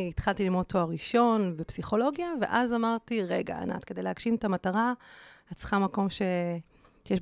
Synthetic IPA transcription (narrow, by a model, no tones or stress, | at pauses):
it̪χalt̪ilimot̪oaʁiʃo̞nbepsiχo̞lo̞ɡjave̞̰ʔazamaʁtiʁeɡa̰a̰na̰t̪kede̞jleaɡ̥ʃimetamataʁaat͡sχamako̞mʃe̞ | ʃjɛ